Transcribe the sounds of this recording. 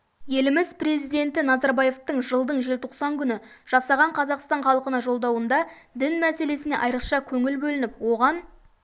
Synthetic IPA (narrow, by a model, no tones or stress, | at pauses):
je̞lɪmɪzpre̞zijd̪e̞nt̪ɪnɑzɑɾbɑje̞ft̪əɴʒəlˠd̪əɴʒelʲt̪ʰoqsɑŋkʲʰʏnɪʒ̥ɑsɑʁɑɴqʰɑzɑqst̪ɑɴχɑlˠəqənɑʒo̞lˠd̪ɑwənd̪ɑ | d̪ɪnmæse̞le̞sɪne̞ʔɑjɾəqʃɑkʲʰɵŋɪlbɵlɪnɪpwo̞ʁɑn